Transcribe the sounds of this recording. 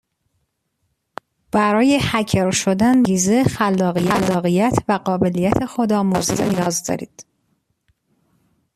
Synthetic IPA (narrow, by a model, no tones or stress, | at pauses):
b̥æɾɒːje̞hæcʰeɾʃod̪ænɡiːzexælːɒːɣijælːɒːɣijæt̪ʰvæɢɒːbe̞lijæt̪ʰe̞xod̪ɒːmozt̪enijɒːzd̪ɒ̰ːɾḭːd̪̥